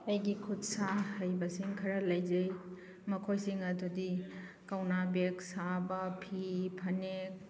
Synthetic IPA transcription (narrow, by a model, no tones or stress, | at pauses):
ɐjɡikʰudsahɐjbɐsiŋkʰɐɾɐlɐjd͡ʒej | mɐkʰojsiŋɐdudi | kɐwnabeksabɐpʰipʰɐnek̚